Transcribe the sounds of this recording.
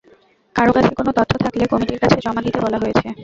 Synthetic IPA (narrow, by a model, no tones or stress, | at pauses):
kaɾokat͡ɕʰekonod̪ɔt̪ʰːot̪ʰaklekɔmiʈiɾkat͡ɕʰed͡ʑɔmad̪it̪ebɔlaɦojet͡ɕʰe